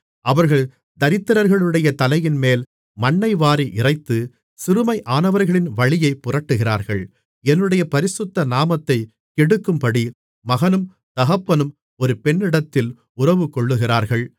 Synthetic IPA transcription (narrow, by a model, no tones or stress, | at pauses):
ʔɐʋɐɾɣɐɭ | d̪ɐɾɪt̪ːɪɾɐɾɣɐɭɯɽɐjɐt̪ɐlɐjɪnmeːl | mɐɳːɐɪʋaːɾiʔɪrɐɪt̪ːɯ | sɪɾɯmɐɪʔaːnɐʋɐɾɣɐɭɪnʋɐɭɪjɐɪpːʊrɐʈːɯɣɪraːɾɣɐɭ | ɛnːɯɽɐjɐpɐɾɪsɯt̪ːɐnaːmɐt̪ːɐɪ | kɛɽɯkːɯmpɐɽi | mɐɣɐnɯm | d̪̥ɐɣɐpːɐnɯm | ɔɾɯpɛɳːɪɽɐt̪ːɪl | ʊrɐʋɯkɔɭːɯɣɪraːɾɣɐɭ